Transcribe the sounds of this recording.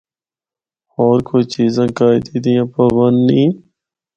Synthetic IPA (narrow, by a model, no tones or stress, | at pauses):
ɔːɾkoit͡ʃiːzãːkaːɪd̪iːd̪ijãːpəʋənnːĩː